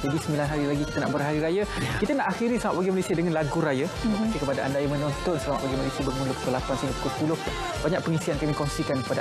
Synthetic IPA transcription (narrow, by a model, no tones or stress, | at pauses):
d͡ʒadisəmilanɦaɾilaɡikit̪ana̰ʔbərɦaɾiɾajakit̪anaʔaxiɾisamat̪̚baɡimalesiadəŋãnlaɡuɾajakkəpadaʔa̰ndajamə̃nɔnt̪ɔnsəama̰t̪ʔ̚paɡimalesiabərmuləpu̥kulapansənipu̥kʊspulʊh | baɲaʔpəŋisiankamikɔnsikankə̥pada